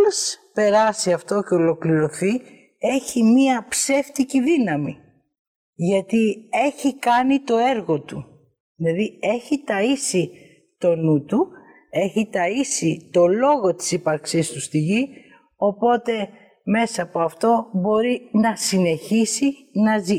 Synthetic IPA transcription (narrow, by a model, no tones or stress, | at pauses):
lespe̞ɾɐsiɐft̪o̞ceo̞lo̞kliɾo̞θi | e̞çimiɐpse̞ft̪iciðinɐmi | ʝɐt̪ie̞çikɐnit̪o̞e̞ɾɣo̞t̪u | ðilɐðie̞çit̪ɐisi | t̪o̞nut̪u | e̞çit̪ɐisit̪o̞lo̞ɣo̞t̪i̥sipɐɾksist̪ust̪iʝi | o̞po̞t̪e̞ | me̞sɐːpoɐft̪o̞bo̞ɾinɐsine̞çisi | nɐzi